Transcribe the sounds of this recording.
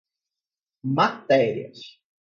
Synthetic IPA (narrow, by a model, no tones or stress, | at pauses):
mat̪ːɛɾḭa̰s